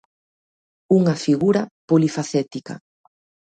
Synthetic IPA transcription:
uŋɐfiɣuɾɐpolifaθɛt̪ikɐ̰

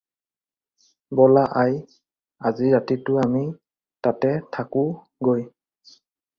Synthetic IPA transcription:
bɔlaʔaj | aziɹatitʊami | tatɛtʰakʊ | ɡoj

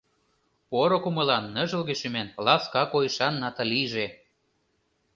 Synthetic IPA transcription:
poɾokumɤ̆lɑnːə̆ʒə̆lɣĕʃymenlɑskɑkojʃɑnːɑt̪ɑliʒe

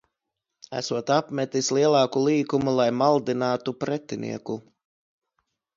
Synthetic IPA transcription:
æ̰suɔt̪apmɛt̪islˠiɛlˠɑːkulˠiːkumulˠajmalˠd̪inaːt̪upɾɛt̪inʔḭɛku

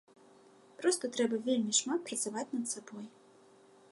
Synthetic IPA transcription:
pɾɔst̪ɐt̪ɾɛbɐvʲelʲmʲiʂmat̪̚pɾɐt̪savat͡sʲnɐt̪sabɔj

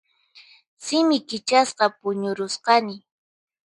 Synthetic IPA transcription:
sɪmɪkɪt͡ʃasqɑpʊɲʊɾʊsqɑnɪ

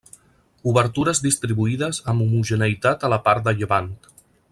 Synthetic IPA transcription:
uβəɾt̪uɾəzðist̪ɾiβuiðəzəmbumuʒənəit̪at̪ələpaɾt̪̚d̪əʎəβant̪

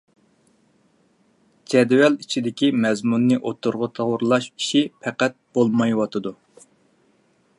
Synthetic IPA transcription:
d͡ʒɛd̪wɛlit͡ʃʰid̪ɪkʲimɛzmunːɨʔot̪ʰuɾʁət̪ʰɑʁʊɾlˠɑʃi̥ʃipʰɛqæt̪̚b̥olˠmɑjwɑt̪ʰɨd̪u

